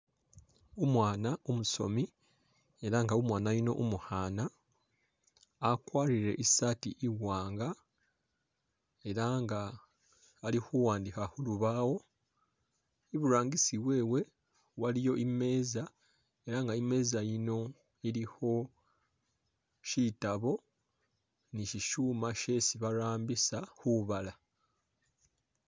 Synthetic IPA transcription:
umwaːnaumuso̞̰mi | e̞ɾaŋɡaumwaːnajino̞̰ʔumuhaːna | kwaːɾiɾe̞̰ʔisatiʔiwwaːŋɡa | e̞ɾaŋɡaː | lixuwaːndixahuluβaːwo̞ | iβuɾaːŋɡisiβwe̞ːwe̞ | walijo̞ʔime̞ːza | e̞ɾaŋɡaime̞ːzajino̞ | iɾiho̞ | ʃitaβo̞ | niʃiʃuːmaʃe̞siβaɾaːmbisahuβala

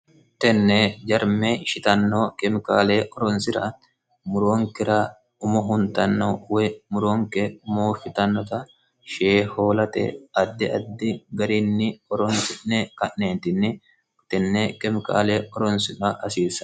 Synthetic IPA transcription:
t̪ɛnːɛd͡ʒɐɾmeʃɪt̪ɐnːoːkʼɛmɪkaːleːʔɔɾɔnsɪɾɐ̰ | mʊɾoːŋkɪɾa | ʊmɔɦʊnt̪ɐnːowɛmʊɾoːŋkɛʊmoːfɪt̪ɐnːɔt̪ɐ | ʃeːho̞ːlɐt̪ɛ̰ɐd̪ːɪɐd̪ːɪɡɐɾɪnːɪɔɾɔnsɪʔnɛkɐʔːeːnt̪ɪnːɪ | t̪ɛnːekɛmɪka̰ːleːʔɔɾɔnsɪᶑɐʔɐsiːsɐ̥

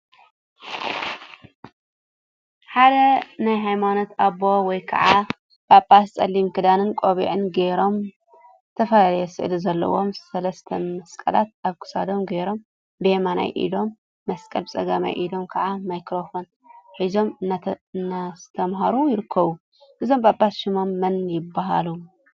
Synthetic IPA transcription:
ħad̪ɐnajɦajmanot̪aβo̞wɔjkʰɐ̰ʕa | pʰapʰʼːast͡sʼɐlːimkʰɨd̪anɨnkʼoβḭʕɨnɡeɾo̞m | zɨt̪ʰɐfɐlalɐjɛsɨ̰ʔlizɐlːɐ̰wo̞msɐlɐst̪ʰɐmɐskʼɐ̰lat̪̚aβkʰɨ̥sa̰d̪o̞mɡeɾo̞m | bemana̰jʔḭd̪o̞mː | ɐskʼɐlt͡sʼɐɡama̰jʔḭd̪o̞mkʰɐʕamajkɾo̞fo̞n | ħizo̞mnːazt̪ʰɐmɦaɾujɪɾɨkʰːɐβu | ħɨzo̞mbʼapʼːasʃɪmo̞mːɐnjɪbːaɦa̰lu

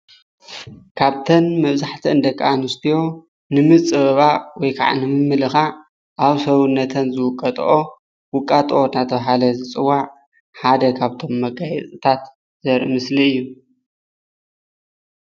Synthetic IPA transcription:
kʰaβt̪ʰɐnmɐβzaħt̪ʰiɨnd̪ɐkʼːanust̪ʰijo̞ | nɨmɨt͡sʼɨβɐβawɔjkʰa̰ʕa̰nɨmɨmːɨlɨxa | ʔaβsɐwunːɐt̪ʰɐnzɨwʊkʼːɐt̪ʼʔo̞ | wʊkʼːat̪ʼʔonat̪ʰɐβaɦalɐzɨt͡sʼɨwːaʕ | ħad̪ɐkʰaβt̪ʰo̞mːɐɡajɛt͡sʼɨt̪ʰat̪ | z̥ɐɾʔɨmɨsliɨjːu

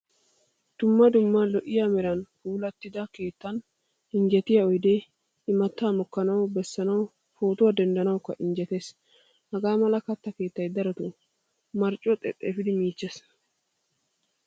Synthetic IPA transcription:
d̪̥ʊmːɐd̪ʊmːɐlɔʔɪjamɛɾɐnhuːlɐt̪ːɪd̪ɐke̞ːt̪ːɐn | ʔɪnd͡ʒɛt̪ɪjɐɔjd̪e | ɪmɐt̪ːaːmɔkːɐnɐwbɛsːɐnɐw | foːt̪ʊwɐd̪ɛnd̪ɐnɐwʊkːɐ̰ʔɪnd͡ʒɛt̪e̞ːs | hɐɡaːmɐlɐkɐt̪ːɐke̞ːt̪ːɐjd̪ɐɾɐt̪ʊ | mɐɾt͡ʃʼːɔt̪ʼɛ̰t̪ʼːḛfɪd̪ɪmiːt͡ʃːes

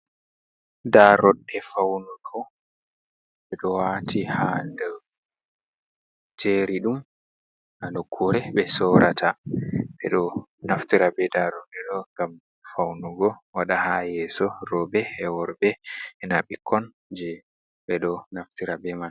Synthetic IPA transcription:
daɾɔɗːɛfawnuɡɔ | ɓɛɗɔwatʰihadɛ | d͡ʒeɾiɗum | alɔkʰːuɾɛɓɛsɔɾʔatʰabɛ̰ɗɔnaftiɾabɛdaɾɔɗːɛɗɔŋɡam | fawnuɡɔwaɗahajɛːsɔɾɔbɛːwɔɾbɛɛnaɓikʰːɔn | d͡ʒɛ | ɓɛɗɔnaftiɾabɛman

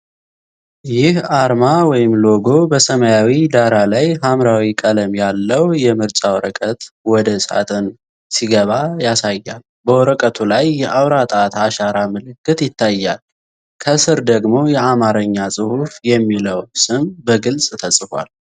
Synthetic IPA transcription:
jɪhaɾmawɔjɪmlo̞ɡo̞bəsəməjawid̪aɾalajɦamɾawikʼələmjalːəwjɛmɨɾt͡ʃʼawɔɾəkʼət̪wɔd̪əsa̰t̪ʰɨn | siɡəβajasajːal | bəwɔɾəkʼət̪ʰulajːɛʔawɾat̪ʼat̪aʃaɾamɨlɨkːɨt̪jɪt̪ːajːal | kʰəsɨɾd̪əɡmo̞jɛamaɾəɲːasʼɨhufjɛmːiləwsɨmbəɡɨlsʼt̪ʰəsʼfa̰l

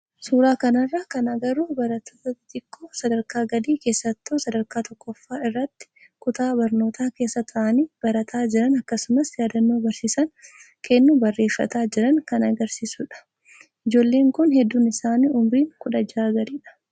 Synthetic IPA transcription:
suːɾaːkɐnɐrːɐkɐnɐɡɐɾubɐɾɐt̪ːoːt̪ɐt̪ɪkʼːosɐd̪ɐɾkaːɡɐd̪iːke̞ːsːɐt̪ːoːsɐd̪ɐɾkaːt̪ʰɔkːɔfːaːɪrːɐt̪ːɪ̥ | kʊt̪aːbɐɾno̞ːt̪ʰaːke̞ːsːɐt̪ʰɐʔɐniːb̥ɐɾɐt̪ʰaːd͡ʒɪɾɐnɐkːɐsʊmɐsjaːd̪ɐnːoːbɐɾsiːsɐn | kʰɛnːubɐrːe̞ːfːɐ̰t̪aːd͡ʒɪɾɐŋkɐnɐɡɐɾsiːsʊᶑɐ̥ | ʔɪd͡ʒo̞ːlːe̞ːŋkʊnhɛd̪ːuːnɪsaːniːʔʊmɾiːŋkʊᶑɐd͡ʒaːɡɐd̪iːᶑɐ̥

